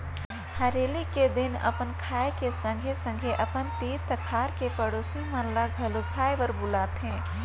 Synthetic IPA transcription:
həɾeːliked̪ɪnə̰pənkʰaːekesə̃ŋɡʱesə̃ŋɡʱeʔəpənt̪iːɾt̪əkʰaːɾkepəɽoːsimənlaɡʱəlukʰaːjbəɾbʊlaːt̪ɦɛ̃ː

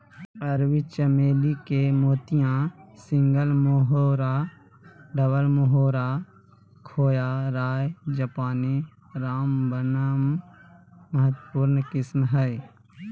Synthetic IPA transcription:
əɾwɪt͡ʃəmeːlikemoːt̪ijãsɪ̃ŋɡəlmoɦoɾa | ɖəbəlmoɦoːɾa | kʰoːjaɾaːjd͡ʒɐpaːni | ɾaːmbənəmː | əɦət̪puːɾnkɪsmɦɛj

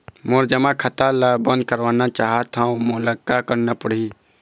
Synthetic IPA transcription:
moɾd͡ʒəmãkʰət̪alabə̃nd̪̚kəɾʋaːnat͡ʃaːɦat̪ʰãomoləkːakəɾnapəɽ̤i

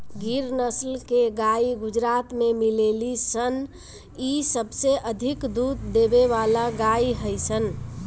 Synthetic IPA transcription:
ɡiɾnəslkeɡaiɡud͡ʒɾat̪memilelisən | isəbseʔəd̪ʱikd̪ut̪d̪ebeβalaɡaiɦəjsʰən

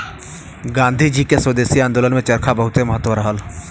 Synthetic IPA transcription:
ɡãːnd̪ʱid͡ʒikeswəd̪eːsiãːnd̪oːlənmẽt͡ʃɐɾkʰabɐɦʊt̪emɐɦət̪ʋəɾɦəl

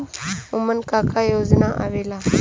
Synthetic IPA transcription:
ʊmənkakʰajoːznaʔa̰ʋeːla

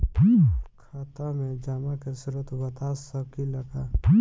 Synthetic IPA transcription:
kʰaːt̪amẽd͡ʒamãkesʊɾət̪bɐt̪aːssəb̚kilɐɡaː

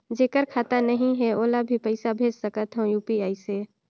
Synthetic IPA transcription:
d͡ʒeːkəɾkʰaːt̪anəɦĩɦɛoːlabʱipəɪsabʱeːd͡ʒsəkət̪ɦõjuːpiaːiseː

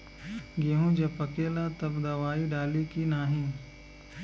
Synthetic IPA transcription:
ɡeɦũd͡ʒɐbəkeːlat̪ɐbd̪ɐʋaːiɖaːlikinaːɦĩː

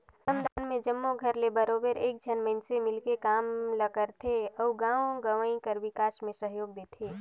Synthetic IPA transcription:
səmd̪aːnmẽd͡ʒəmːoɡʱəɾlebəɾoːbəɾeːk̚d͡ʒʱənmə̃ɪnsemɪlkekaːmləɡəɾt̪ʰeɔːɡãːõɡəʋəĩkəɾʋɪkaːsmẽsəɦjoːɡ̚d̪eːt̪ʰeː

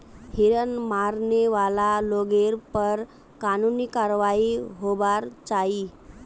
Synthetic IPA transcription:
hiɾənmaɾneʋalaloɡeɾpəɾ | kanuniːkaɾʋaiɦobaɾt͡sai

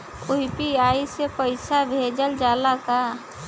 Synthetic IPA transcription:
ʊpiaːisepəɪsabʱeːd͡ʒəld͡ʒaːlaka

